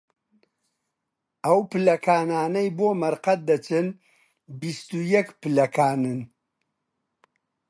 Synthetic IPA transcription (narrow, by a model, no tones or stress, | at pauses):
ɐwpɨlɐkʰaːnaːnɐjboːmɐɾqɐt̪̚d̪ɐt͡ʃɨn | bist̪ujɛkpɨlɐkʰaːnɨn